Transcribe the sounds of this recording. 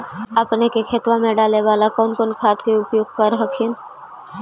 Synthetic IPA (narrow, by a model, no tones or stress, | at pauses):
əpnekekʰeːt̪wãmẽɖaːleʋaːlakɔːnkonkʰaːt̪keʊpjoːɡ̚kəɾɦəkʰin